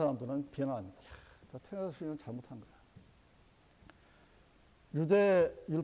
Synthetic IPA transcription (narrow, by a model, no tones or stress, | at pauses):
aɾamdɯɾɯnpiʌnɦaamɲid̥aat͡ɕatʰeŋasʰuimʌnt͡ɕaɭmotʰanɡʌej | jude̞juɭ